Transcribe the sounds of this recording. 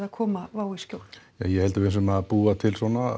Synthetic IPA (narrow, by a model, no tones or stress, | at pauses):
ðakʰɔːmavaːwiscowl | ajɛhɛlt̪ʏvejns̬ʏmaðpuːat̪ʰɪlsɔna